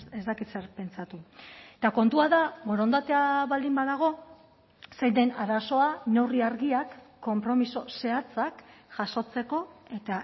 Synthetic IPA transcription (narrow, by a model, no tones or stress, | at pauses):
ezt̪akit̪seɾpe̞nt͡sat̪uet̪ako̞nt̪uaðaɣoɾo̞nd̪at̪eaβald̪imbaðaɣ̞o̞ | sej̪d̪e̞naɾaso̞ane̞wriaɾɣiakːo̞mpɾo̞miso̞se̞at͡sakʝaso̞t͡se̞ko̞e̞t̪a